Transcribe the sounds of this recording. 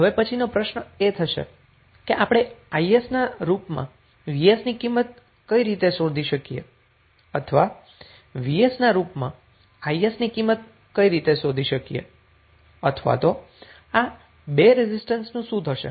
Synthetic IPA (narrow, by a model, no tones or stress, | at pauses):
ɦəʋepət͡ʃʰinopɾəʃnəet̪ʰəʃḛ | keʔapɽ̃eaiesnaɾupmã̰ | ʋiesnikimːət̪̚ | kəiɾit̪esod̪ʱiʃəkijḛ | ət̪ʰəʋa | ʋiesnaɾupmã̰ | aiesnikimːət̪̚ | kəiɾit̪esod̪ʱiʃəkijḛ | ət̪ʰʋa̰t̪o | a | beɾezisʈənsnũsũd̪ʱɦəʃḛ